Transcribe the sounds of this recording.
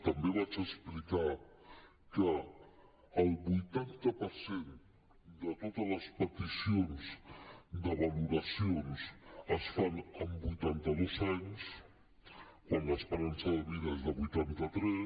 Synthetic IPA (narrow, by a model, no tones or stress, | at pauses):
t̪əmbeβat͡ʃəsplika | kəː | lˠβujt̪ant̪əpəɾsen | d̪ət̪ot̪ələspət̪isionzd̪əβəluɾəsionsəsfanəmbujt̪ant̪əðozaɲs | kwanləːspəɾansəðəβiðəezðəβujt̪ant̪ət̪ɾɛ